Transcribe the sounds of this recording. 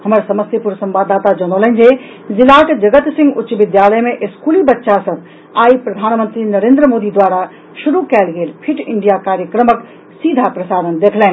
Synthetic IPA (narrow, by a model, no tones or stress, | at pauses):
həməɾsəməst̪jpuɾsə̃mbaːd̪ːaːt̪ad͡ʒɔnoːləɦnd͡ʒe | zɪlaːʈd͡ʒəɡət̪sɪ̃ŋɡʊtːʃʋɪd̪jaːləjmẽʔɪskuːlibətːʃasəb̚ | aːipɾɐd̪ʱaːnmə̃nt̪ɾinəɾẽːnd̪ɾəmoːd̪id̪ʋaːɾa | ʃuɾukɛːlɡeːlpʰɪʈɪɳɖijakaːɾjəkɾəmək | siːd̪ʱapɾəsaːd̪ənd̪eːkʰlɛːn